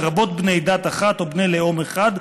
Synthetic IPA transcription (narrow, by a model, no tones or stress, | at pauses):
ʁabo̞t̪̚bne̞jd̪at̪aχat̪obnejleomeχad̪